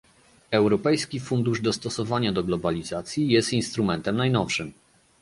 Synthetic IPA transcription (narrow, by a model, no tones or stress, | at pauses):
ɛwɾɔpɛjskʲifund̪uʐd̪ɔst̪ɔsɔvaɲad̪ɔɡlɔbalʲizat̪sʲjijɛst̪inst̪ɾumɛnt̪ɛmnajnɔfʂɘm